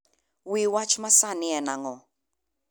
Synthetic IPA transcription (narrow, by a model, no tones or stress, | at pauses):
wiwat͡ʃʰmasaniɛnaŋɔ